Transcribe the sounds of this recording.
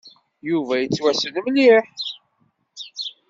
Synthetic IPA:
juvæjət͡sːwæsənmliħ

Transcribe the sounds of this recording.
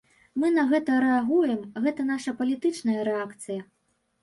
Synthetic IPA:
mɨn̪ɐɣɛt̪ɐɾɛaɣujɛmɣɛt̪ɐnaʂɐpɐlʲit̪ɨt͡ʂnɐjɐɾɛakt̪sɨjɐ

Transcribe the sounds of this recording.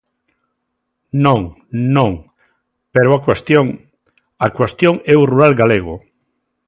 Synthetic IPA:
nõŋ | nõŋ | peɾoakwest̪joŋ | akwest̪jõŋɛuruɾalɡaleɣ̞ʊ

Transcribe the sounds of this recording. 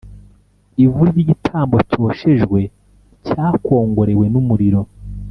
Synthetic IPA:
ivuɾɟiːɟitʰaːmbo̞co̞ːʃe̞ʒɡwe̞ | caːko̞ːŋɡo̞ɾe̞we̞numuɾiɾo̞

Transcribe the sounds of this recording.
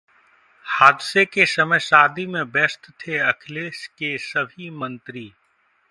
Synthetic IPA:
haːd̪sekesɐməjsaːd̪ʱimẽbɛːst̪t̪ʰeɐkʰleːskesɐbʱimə̃nt̪ɾiː

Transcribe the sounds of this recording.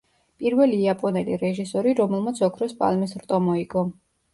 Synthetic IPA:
pʼiɾvɛliːapʼɔnɛlḭɾɛʒisɔɾiɾɔmɛlˠmat̪sʰɔkʰɾɔspʼa̰lmisɾt̪ʼɔmɔikʼɔ

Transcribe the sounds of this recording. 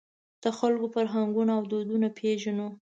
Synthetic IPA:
d̪̥əxalkofaɾɦaŋɡunaːwd̪od̪unapʰeʒano

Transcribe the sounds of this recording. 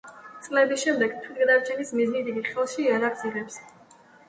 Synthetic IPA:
t̪sʼlɛbisʃɛmd̪ɛɡt̪ʰwid̪ɡɛd̪aɾt͡ʃʰɛnismiznid̪iɡiχɛlˠʃiːaɾaʁziʁɛps

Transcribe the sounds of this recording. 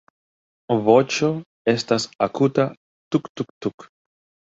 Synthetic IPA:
vo̞t͡ʃo̞ | e̞stasakuta | t̪ukt̪uk̚t̪uk

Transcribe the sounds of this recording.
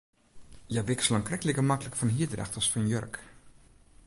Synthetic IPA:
jəʋɪksələŋkrɛkələkəmakələkfɔnɦiədrɛ̰xtɔsfɑnjø̰rk

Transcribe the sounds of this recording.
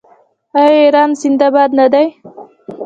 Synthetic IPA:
ajeɾɑnzɪnd̪abɑd̪nad̪aj

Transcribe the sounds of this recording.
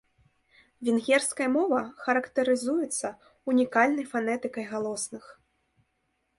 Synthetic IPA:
vʲinɣʲɛrskɐjɐmɔvɐxɐɾɐkt̪ɐɾɨzujɛt̪sːɐ | unʲikalʲnɐjfanɛt̪ɨkɐjɣalˠɔsnɨx

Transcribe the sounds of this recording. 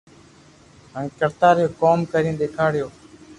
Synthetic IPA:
ɦə̃ŋkəɾt̪aːɾjoːkoːmkəɾĩːɗ̪eːkʰaːɽɪjoː

